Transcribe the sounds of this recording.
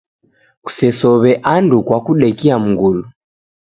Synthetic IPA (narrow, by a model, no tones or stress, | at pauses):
ku̥sɛsɔβɛʔandukwakuɗɛkiam̩ŋɡulu